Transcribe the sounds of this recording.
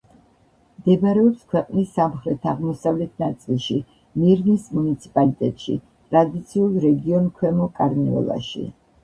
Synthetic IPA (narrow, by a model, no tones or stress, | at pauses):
md̪ɛbɾɛɔpskʰwɛqʼnisːamχɾɛt̪ʰaʁmɔsavlɛt̪ʰnat̪sʼilˠʃi | miɾnismunit̪sʰi̥pʼalit̪ʼɛt̪ʼʃḭ | t̪ʼɾad̪it̪sʰiulˠɾɛɡiɔnkʰwɛmɔkʼaɾniɔ̰lˠa̰ʃḭ